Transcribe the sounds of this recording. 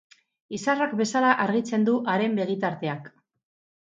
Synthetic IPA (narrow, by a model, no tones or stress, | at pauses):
isarakbe̞salaʔaɾɣit͡se̞nd̪uʔaɾe̞mbe̞ɣ̞it̪aɾt̪e̞ak